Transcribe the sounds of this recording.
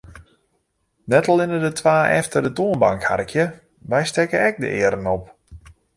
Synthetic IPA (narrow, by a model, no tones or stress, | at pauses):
nɛtalˠɪnədətʰʋaːʔɛ̰ftərdətoːənbaŋkha̰rkʰjə | ʋɛjstɛkənɛk̚də̰ʔɪəɾənɔp̚